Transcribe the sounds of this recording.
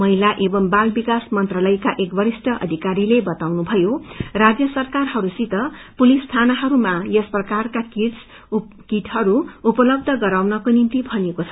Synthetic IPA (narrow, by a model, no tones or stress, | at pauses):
mʌɦilaʔebʌmbalbikasmʌnt̪ralʌjkaʔekbʌɾisʈʰʌʔʌ̰d̪ʱikaɾilebʌt̪awnubʱʌjorad͡zjʌsʌrkarɦʌɾusit̪ʌpulisːt̪ʰanʌɦʌɾumajʌsprʌkarkakis | kiʈɦʌɾuupʌlʌb̚d̪ʱʌɡʌɾawnʌkonint̪ibʱʌnekot͡sʰʌ